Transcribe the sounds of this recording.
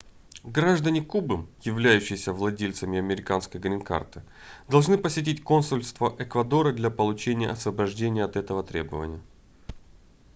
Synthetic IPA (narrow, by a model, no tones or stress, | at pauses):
ɡɾaʐd̪ənʲɪkubɨmjɪvlʲæjʉɕːɪjsʲəvlˠɐdʲelʲt̪səmʲɪɐmʲɪɾʲɪkanskəjɡɾʲɪnka̰rt̪ɨ | d̪ɐlˠʐnɨpəsʲɪt̬ʲitʲko̞nsʊlʲst̪vəʔɛkvɐd̪o̞ɾəd̪lʲɐpəlˠʊt͡ɕenʲɪjə̰ɐsvəbɐʐdʲenʲɪjəɐt̪ɛt̪əvət̪ɾʲe̞bəvə̰nʲɪjə